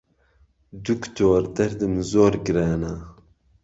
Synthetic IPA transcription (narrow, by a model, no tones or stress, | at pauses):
d̪ukt̪ʰoːɾd̪ɐɾd̪ɨmzoːɾɡɨɾaːna